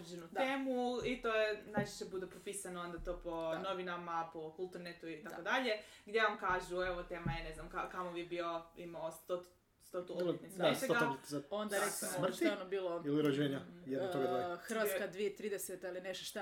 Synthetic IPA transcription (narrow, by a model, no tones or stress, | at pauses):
ɾd͡ʒenutd̪eːmuit̪ojenajt͡ʃi̥ʃebud̪epɾopisanoo̞nd̪at̪o̞ːpono̞ʋinamapo̞kulˠt̪uɾnet̪uit̪akod̪aʎe̞ɡd̪ʲjeʋamkaːʒueʋot̪e̞ːmajeneznamkakamoʋibioḭmaost̪ot̪ | st̪ot̪uoet̪niast͡ʃeɡao̞nd̪aɾesimomt̪onobiːlˠoiliɾod͡ʒeːɲajɛd̪otoɡad̪axr̩ʋat̪skad̪ʋiet̪ɾiːd̪eset̪ilineʃt̪oʃt̪a